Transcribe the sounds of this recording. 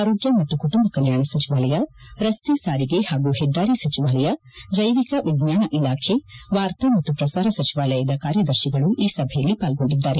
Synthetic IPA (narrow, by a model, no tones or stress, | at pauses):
aːɾoːɡjɐmɐt̪ːukuʈumbɐkɐljaːɳɐsɐt͡ʃiʋaːlɐjɐɾɐst̪esaːɾiɡehaːɡuheɖːaːɾisɐt͡ʃiʋaːlɐjɐ | d͡ʒɐjʋikɐʋiɡɲaːnɐʔilaːkʰeʋaːɾt̪ɐmɐt̪ːupɾɐsaːɾɐsɐt͡ʃiʋaːlɐjɐd̪ɐkaːɾjɐd̪ɐɾʃiɡɐɭuʔiːsɐbʱɛjɐlːipaːlɡo̞ɳɖid̪ːaːɾe